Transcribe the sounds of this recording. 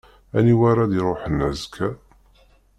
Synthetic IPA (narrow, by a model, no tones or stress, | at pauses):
æ̰niwaɾaðiɾˤoħənːæzkʰːæ